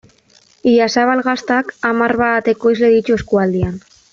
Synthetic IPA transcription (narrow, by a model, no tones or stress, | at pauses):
iʎasaβalɣast̪akamaɾβat̪e̞ko̞izle̞ðit͡ʃueskuald̪ian